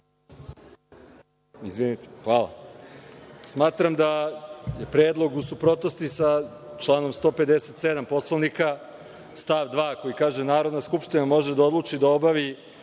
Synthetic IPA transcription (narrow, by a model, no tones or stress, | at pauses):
izʋinit̪exʋaːla̰ | smaːt̪ɾamd̪ajepɾeːd̪lˠo̞ɡusupɾo̞t̪no̞st̪isat͡ʃlˠaːno̞mst̪o̞ːpe̞d̪eset̪sed̪ampo̞slˠonika | st̪aːʋd̪ʋaːko̞jikaːʒenaːɾod̪naskupʃt̪inamo̞ʒed̪ao̞d̪lˠuːt͡ʃid̪aobaʋi